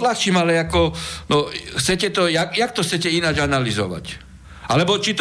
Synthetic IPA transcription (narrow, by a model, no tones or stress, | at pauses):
laxt͡ʃiːmalɛakɔnɔxt͡sɛcɛt̪ɔjakjak̚t̪ɔxt͡sɛcɛinad͡ʒanalizɔ̰ʋa̰c | ʔalɛbɔt͡ʃit̪